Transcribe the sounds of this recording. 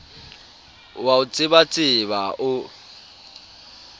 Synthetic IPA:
waʊt͡sʼɪbat͡sʼɪβaʔʊ

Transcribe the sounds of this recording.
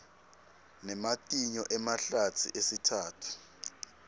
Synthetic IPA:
nɛmatʼiɲɔʔɛmaɬatʰḭʔesitʰaːtʰu̥

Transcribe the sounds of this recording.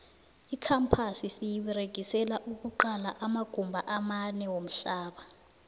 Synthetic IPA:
ikʰampʰasisijiɓiɾeɡ̥ʱisɛlaʔuk̬uǃalaʔamaɡ̥ʱumbʱaʔamanɛwom̩ɬaːɓa

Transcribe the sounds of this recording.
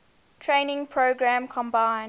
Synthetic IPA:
tʰɹẽɪ̃nɪ̃ŋpʰɹoʊɡɹæ̃mkʰɔ̃mbãɪ̃n

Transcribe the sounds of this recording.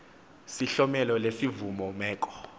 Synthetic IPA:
siɬɔmɛlɔlesivumɔmɛːk̬ʼɔ̥

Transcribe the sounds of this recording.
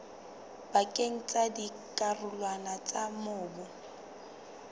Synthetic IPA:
bakʼeŋ̩t͡sʼadi | kʼarʊlwanat͡sʼamʊːbʊ

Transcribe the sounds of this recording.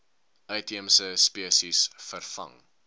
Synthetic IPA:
ʔœɥtiəmsəspiəsisfərfɐ̰ŋ

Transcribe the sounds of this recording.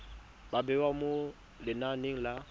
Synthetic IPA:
babɛwamo | lɪnaneŋ̩la

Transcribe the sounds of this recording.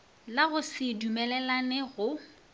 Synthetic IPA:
laɣʊsɪdumɛlɛlanɛɣʊ

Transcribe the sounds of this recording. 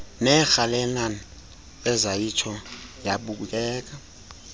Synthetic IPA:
nɛxalɛnan | ɛzajit͡ʃʰɔjaɓuk̬uk̬ʼɛːk̬ʼa

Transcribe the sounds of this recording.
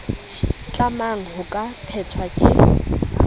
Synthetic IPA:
t͡ɬʼamaŋ̩hʊkʼapʰɛt͡sʰwakʼɪ̰

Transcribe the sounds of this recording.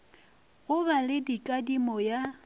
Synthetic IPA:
ɣʊbalɪdikʼadimɔja

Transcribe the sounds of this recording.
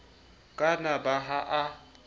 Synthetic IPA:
kʼanabaɦaʔa

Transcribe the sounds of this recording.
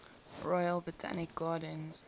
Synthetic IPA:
ɹɔɪəlˠbɹɪtʰa̰nɪk̚ɡ̥ɑːdənz̥

